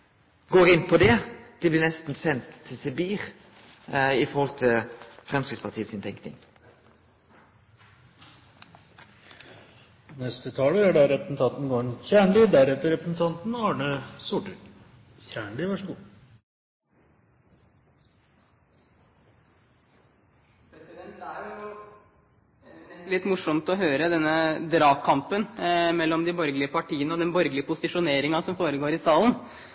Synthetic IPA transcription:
ɡoːɾɪnpʰɔd̪ɛd̪̥ɛbliːnɛst̪n̩sɛnt̪ʰːɪlsɪbiːʁ | ɪfɔɾhɔlt̪ʰɪlfɾɛmskɪtspɑt̪ʰiːət̪sɪnt̪ʰɛŋknɪ̰ŋ | nɛst̪ət̪ʰɑːləæɖɑɾɛpɾəsn̩t̪ʰɑnt̪n̩ɡoːɾnçæːɳlid̪æɾɛt̪əɾɛpɾəsn̩t̪ʰɑnt̪n̩ɑːɳəsʊʈʉɾ | çæːɳlɪʋɑʂəɡuː | pʰɾɛsɪd̪ɛnt̪æɾʊ | ɛlɪt̪ːmʊʂɔmt̪ɔɦøːɾəd̪ɛnːəd̪ɾɑːkʰɑmpənmɛlːɔmd̪ɪbɔɾɡlɪəpɑʈiːənəɔd̪ɛnbɔɾɡəlɪəpʊsɪʂʊneːɾɪŋɑsɔmfoːɾəɡoːɾɪsɑːlən

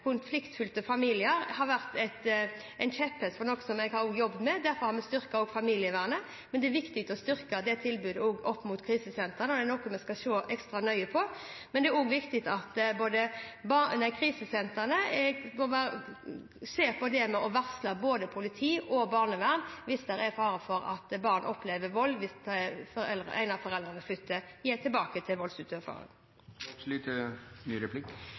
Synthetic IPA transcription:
kʰʊnflɪkt̪fʉlt̪əfɑmiːlɪəɾhɑɾʋæʁt̪ɛɪt̪ | ɛɪnt͡ʃʰɛtpʰɛst̪fɔɾnɔkːəsɔmɛɡhɑɾɔːɡjɔbd̪mɛd̪æɾfɔɾhɑɾmɛst̪ʏɾkəoːɡfɑmiːlɪəʋæːʁnə | mɛnd̪ɛæɾʋɪkt̪ɪk̚t̪ɔst̪ʏɾkəd̪ɛt̪ʰɪlbʉːd̪əɔːɡʔɔpːmʊt̪kʰɾiːsəsɛnt̪əʁnəɔd̪ɛnɔkːʊmɛskɑʃoːʔɛkst̪ɾɑnœʏəpʰɔmɛnd̪ɛæɾoːɡʋɪkt̪ɪt̪ɑt̪boːd̪əbɑnækʰɾiːsəsɛnt̪əʁnəɛmɔʋæ | seːʁpʰɔd̪ɛmɛʔɔʋæʁslɑboːd̪əpʰʊlɪt̪ʰiːʔɔbɑːʁnəʋæʁmʋɪst̪æɾæfɑːɾəfɔɾɑ̰t̪bɑːʁnʔɔpʰːleːʋəʋɔlʋɪsfɔɾɛlʁ̰ʔæ̰ɪnɑʋfɔɾɛld̪ʁənəflʏt̪ːəjet̪ʰɪlbɑːkət̪ʰɪlʋɔlsʉt̪ʰøfɑ̰ːʁɾə̰n | sliːt̪ənyːɾɛpʰlɪk

